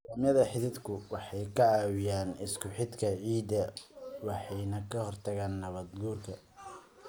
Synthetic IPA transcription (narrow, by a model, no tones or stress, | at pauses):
dɐːmjɐðɐħɪðɪd̪kʰʊwɑħɑjkʰɐaːwɪjaːnɪskʰʊħɪd̪kʰɐʕiːd̪ɐwɑħɑjnɐkʰɐhɔrt̪ʰɐɣaːnːɐβɐd̪ɡuːrkʰɐ